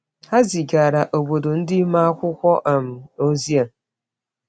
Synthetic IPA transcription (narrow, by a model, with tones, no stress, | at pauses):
ha˦zi˨ɡa˨ɾa˨ʔo˨bo˨do˨n̩˦dɪ˦ma˦a˦kʷʊ˦kʷɔ˦ʔa˨m̩˨o˦zi˦a˨n˨